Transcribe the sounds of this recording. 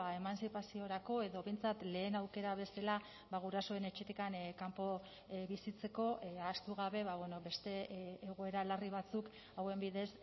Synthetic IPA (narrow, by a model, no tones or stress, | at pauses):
ae̞mansipasio̞ɾako̞e̞ðo̞βe̞jnt͡sat̪le̞ːnawke̞ɾaβ̞e̞sela | baɣ̞uɾaso̞e̞ne̞t͡ʃet̪ikankampo̞ | βisit͡se̞ko̞ast̪uɣ̞aβe̞βaβwe̞no̞be̞st̪e̞ːɣ̞o̞e̞ɾalariβ̞at͡suk | awe̞mbiðe̞s